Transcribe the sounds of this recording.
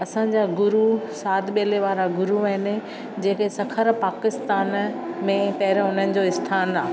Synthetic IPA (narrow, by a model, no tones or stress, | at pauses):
ɐsãɲ̆d͡ʑaːɡʊɾusaːd̪ɓeːleʋaːɾaɡʊɾuaɦɪn̆ | d͡ʑeːkesɐkʰəɾpaːkɪst̪aːnmẽpɐɦɪɾʊnənɪ̆d͡ʑoːɪst̪ʰaːnaː